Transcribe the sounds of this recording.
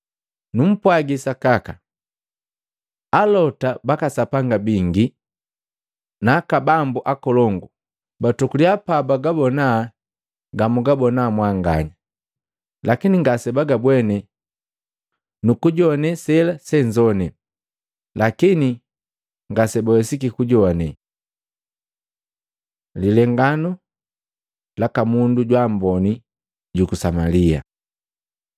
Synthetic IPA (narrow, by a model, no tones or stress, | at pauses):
num̩pwaɡisakaka | alɔtabakasapaŋɡabiŋɡi | nakabambuʔakɔlɔŋɡu | batukuljapabaɡabɔna | ɡamuɡabɔnamwaŋɡa̰ɲa | lakiniŋɡasɛbaɡabwɛnɛ | nukuɟɔnɛsɛlasɛɲd͡ʒɔnɛ | lakini | ŋɡasɛbɔɛsikikuɟɔnɛ | lilɛŋɡanu | lakamunduɟwambɔni | ɟukusamalia̰